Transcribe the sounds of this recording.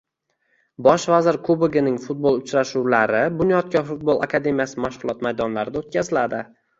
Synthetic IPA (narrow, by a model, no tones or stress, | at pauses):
bɒʃvazɪɾkʰobɪɡʲɪnɪŋfʊt̪̚bolˠʊt͡ʃɾaʃuwlaɾɪbʊnijɒt̪̚kʲʰɒfʊt̪̚bolˠa̰kʰad̪e̞mijasɪmaʃʁʊlˠɒt̪majd̪ɒnlaɾɪd̪aot̪̚kʲʰazɪlad̪ɪ